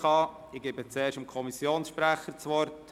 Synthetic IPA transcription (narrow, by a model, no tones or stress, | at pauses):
ɑ | ɪɡ̥ebət͡sɛːɾʃəmkʰɔmisjoːnsʃpɾæχət͡sʋɔɾt